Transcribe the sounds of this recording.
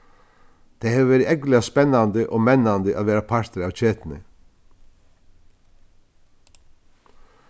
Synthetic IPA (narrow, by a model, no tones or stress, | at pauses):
t̪ʰɛjhɛːʋəʋeːɾɪɛklɪaspɛnːand̪əʔɔːɣmɛnːand̪əʔa̰ðʋeːɾapʰaɾ̥t̪ɪɾawt͡ʃʰeːt̪ɪnɪ̰